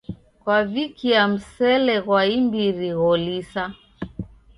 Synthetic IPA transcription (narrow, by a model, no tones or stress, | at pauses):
kwavikiam̩sɛlɛɣwaimbiɾiɣɔlisa